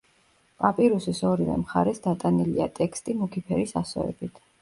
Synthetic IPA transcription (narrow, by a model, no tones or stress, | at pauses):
pʼapʼiɾusisɔɾivɛ̰mχa̰ɾɛsd̪at̪ʼaniliat̪ʼɛkʰst̪ʼimukʰipʰɛɾisasɔ̰ɛ̰bit̪ʰ